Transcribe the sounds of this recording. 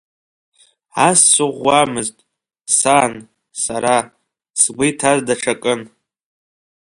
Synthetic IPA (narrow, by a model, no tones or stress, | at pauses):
assʷɨʁʷːamɨztʼ | san | saɾa | sɡʷʊjtʰazdaʈ͡ʂʰakʼɨn